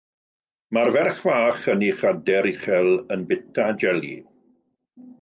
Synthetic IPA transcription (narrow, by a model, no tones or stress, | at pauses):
marvɛrχvaːχəniχadɛɾiχɛlˠənbɪtʰad͡ʒɛlḭ